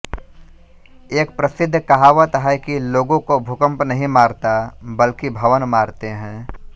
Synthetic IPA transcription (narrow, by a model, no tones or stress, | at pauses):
eːk̚pɾɐsɪd̪ʱːkɐɦaːʋət̪ɦɛkiloːɡõkobʱʊkə̃mpnɐɦĩmaːɾt̪abɐlkibʱɐʋənmaːɾt̪eɦɛ̃ː